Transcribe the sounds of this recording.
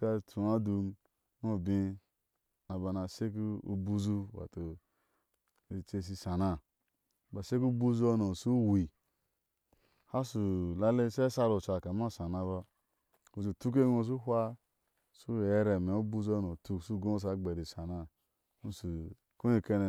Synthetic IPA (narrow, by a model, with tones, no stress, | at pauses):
ka˧˨tʰu˨a˦du˧˦ | no˦˨bi˧ | na˨ba˨na˨se˦k̬u˦ṵ˨bu˦zu˦wa̰˨to˨ | i˨t͡ʃe˧s̬i˧sa˨na˧˨ | ba˨se˦ku˦bu˦zu˦o˧no˨su˦wi˨ | ha˦su˨la˦le˦se˦sa˧ɾo˨t͡ʃa˨ka˨˦m˦a˦˨sa˨na˧βa˧ | u˨u˨tu˦k̬e˦ŋo˧s̬u˦ɦʷa˦ | su˦˨e˦ɾe˨me˨u˦bu˦zu˦o˦no˨tu˧˨su˦ɡo˦o˦s̬a˧ɡ͡be˨ɾi˨sa˨na˧ | nu˦su˨ | ku˦ni˧ke˧ne˨